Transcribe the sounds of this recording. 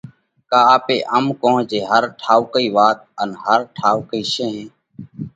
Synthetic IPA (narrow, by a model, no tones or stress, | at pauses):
kaːaːpeːʔəmkõːɦd͡ʒeːɦəɾʈʰaːukəiːʋaːt̪̚ənɦəɾʈʰaːkəiːʃẽːɦẽː